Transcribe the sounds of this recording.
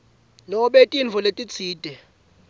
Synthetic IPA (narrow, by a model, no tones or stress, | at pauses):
lɔɓetʼinvʱɔletʼit͡sʰiːd̥ʱɛ